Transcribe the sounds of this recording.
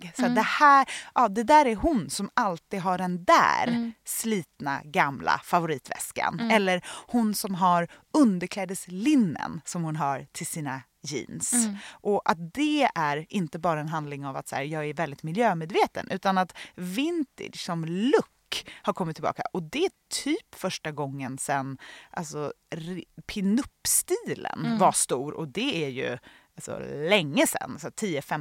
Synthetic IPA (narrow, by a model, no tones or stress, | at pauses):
sad̪ɛhæːɾʔɑːd̪ɛd̪æːɾæɾɦʊnsɔmalt̪id̪ɦaɖɛnd̪æ̰ːɾsliːt̪na̰ɡamla̰favʊɾiːt̪vɛ̰ska̰nɛlːəɾhʊnsɔmɦaɾɵnd̪əɾkʰlɛːd̪əslɪnːə̰nsɔmhʊnɦaɾt̪ʰɪlsiːna | jḭːnsʔɔʔat̪̚d̪ɛæɾʔɪnt̪əbɑːɾaɛnɦand̪lɪŋava̰t̪sæ̰ːɾjɑːɡæɾvɛld̪ɪt̪mɪljøːmeːd̪veːt̪ə̰nʔʉ̟ːt̪anat̪vɪnt̪ɪ̰ʂsɔmlɵkːhaɾkʰɔmːɪt̪ʰːɪlbɑ̰ːka̰ʔɔd̪ɛæt̪ʰyːpfœʂʈaɡɔŋːənsɛnːʔa̰lsɔ | ɾpʰɪnɵpːst̪iːlə̰nvaʂt̪uːɾɔ̰d̪ɛæɾjɵ̰alsɔ̰lɛŋːəsɛ̰nːsat̪ʰiːəfɛm